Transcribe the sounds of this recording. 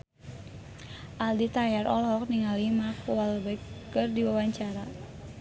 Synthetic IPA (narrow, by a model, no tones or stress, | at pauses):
ʔaldit̪ajarʔɔlɦɔk̚niŋalimakualbakːɨrdiwawaɲt͡ʃaɾa